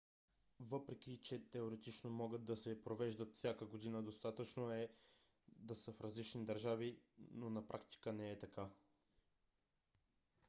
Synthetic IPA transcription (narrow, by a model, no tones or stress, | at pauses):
vɤpɾɛk̟it͡ʃɛt̪ɛoɾɛt̪it͡ʃnomɔɡət̪̚d̪ɐsɛpɾovɛʒd̪ət̪fsʲjakəɡod̪inəd̪ost̪at̪ət͡ʃnoɛ | d̪ɐsəfɾɐzlit͡ʃnid̪əɾʒavinonɐpɾʔakt̪i̥kənɛɛt̪ɐka